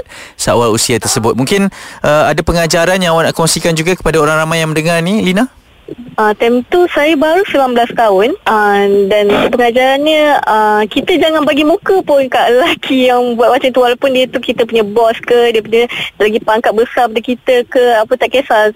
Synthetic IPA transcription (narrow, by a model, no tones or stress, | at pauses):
t̪̚səa̰walusiat̪ərsəbʊt̪̚muŋkɪnʔəadapəŋad͡ʒaɾanjaŋawanaʔkɔŋsikand͡ʒuɡakə̥padaoɾaŋɾamajːaŋmə̃ndəŋarnilina | ət̪ɛmt̪usajabaɾusəmamblast̪aʊnədansəpəŋad͡ʒaɾanɲə̃əkit̪əd͡ʒaŋãnbaɡimũkəpʊnkaʔlakʰijaŋbuat̪̚mat͡ʃamt̪uwalapʊndiət̪ukit̪əpuɲabɔskədiəpuɲaʔlaɡipaŋkat̪̚bəsap̬adakit̪əkəapət̪aʔkesa